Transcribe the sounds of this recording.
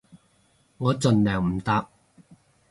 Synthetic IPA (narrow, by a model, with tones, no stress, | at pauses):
ŋɔː˨˧t͡sɵ˨nlœː˨˩ŋm̩˨˩t̪aː˧p̚